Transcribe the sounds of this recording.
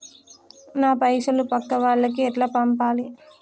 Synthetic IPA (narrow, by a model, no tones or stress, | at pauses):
naːpɐjʂɐlupɐkːɐʋaːɭːɐkiɛʈlaːpɐmpaːli